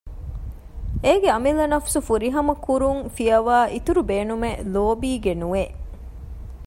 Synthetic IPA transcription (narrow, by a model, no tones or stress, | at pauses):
eːɡeɐmilɐnɐfsufuɾiɦɐmɐkuɾuŋfijɐʋaːʔit̪uɾubeːnumeloːbiːɡenuʋe